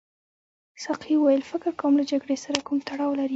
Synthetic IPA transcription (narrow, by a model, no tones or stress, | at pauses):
saqʰiwajəlfɪkɪɾkawəmlad͡ʒaɡɽesaɾakumt̪aɽɑwlaɾi